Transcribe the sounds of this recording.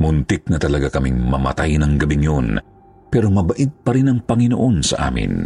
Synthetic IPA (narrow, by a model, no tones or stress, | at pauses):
mʊnt̪ɪk̚nɐt̪ɐlɐɡakɐmiŋmɐ̰mɐ̰t̪ajnɐŋɡɐbiŋjon | pɛɾomɐbɐʔɪd̪̚pɐɾɪnɐŋpɐŋɪnoʔo̞nsɐ̰ʔa̰ːmɪ̰n